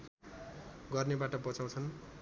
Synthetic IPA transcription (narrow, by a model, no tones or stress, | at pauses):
ɡʌrnebaʈʌbʌt͡saw̃t͡sʰʌn